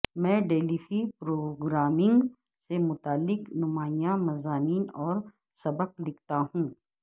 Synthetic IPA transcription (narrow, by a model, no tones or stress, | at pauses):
mɛ̃ːɖeːlifipɾoːɡɾaːmɪ̃ŋɡ | semʊt̪aːlːɪknʊmaːijãmɐzaːmiːnɔːɾ | sɐbəqlɪk̚ʰt̪aɦũː